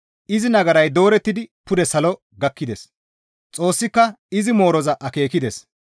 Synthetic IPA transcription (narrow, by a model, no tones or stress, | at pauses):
ʔɪzɪnɐɡɐɾɐjd̪o̞ːɾɛt̪ːɪd̪ɪpʊd̪ɛsɐlɔ | ɡɐkːɪd̪es | t͡sʼo̞ːsːɪkːɐ | ɪzɪmo̞ːɾɔzɐʔɐke̞ːkɪd̪es